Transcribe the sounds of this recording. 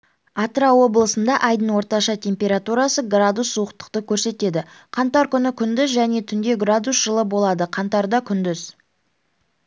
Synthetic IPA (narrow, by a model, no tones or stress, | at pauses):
ɑt̪ɾɑwo̞bəlˠəsənd̪ɑʔɑjd̪əɴwo̞ɾt̪ɑʃɑt̪ʰʲe̞mpʲe̞ɾat̪uɾɑsəɡrad̪usːuəqt̪ə̥qt̪əkʲʰɵɾse̞t̪e̞d̪ɪ | qʰɑnt̪ɑɾkʲʰʏnɪkʲʰʏnd̪ɪzʒæne̞t̪ʰʏnd̪e̞ɡrad̪usʒ̥əlˠəbo̞lˠɑd̪əqʰɑnt̪ɑɾd̪ɑkʲʰʏnd̪ʏz̥